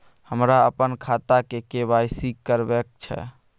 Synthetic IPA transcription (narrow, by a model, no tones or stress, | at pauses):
həmɾaəpənkʰat̪akekebajsikːəɾbek̚t͡ʃʰɛ̰